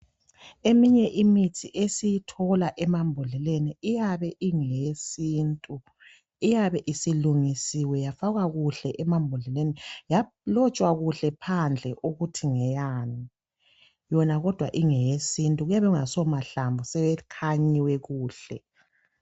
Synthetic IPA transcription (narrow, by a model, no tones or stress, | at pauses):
emiɲɛʔimitʰiʔesijitʰɔlaʔɛmambʱɔlɛleniijaβɛʔiŋejesiːntʼu | ijaβɛʔisiluŋisiwɛjafaɣaɣuɬɛʔɛmambʱɔlɛlenija | lɔt͡ʃʼwaɣuɬɛpʰand͡ɮʱɛʔoɣutʰiŋɛjani | jɔnaɣɔd̥ʱwaʔiŋɛjesintʼuɣujaβɛuŋasɔmaɬambʱɔsɛβɛkʰaɲiwɛɣuːɬɛ